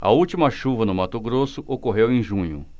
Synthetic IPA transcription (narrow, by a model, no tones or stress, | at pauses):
ɐ̰ut͡ʃimɐʃuvɐnʊmat̪ʊɡɾosʊʔokoɦewẽj̃ʒũɲʊ̰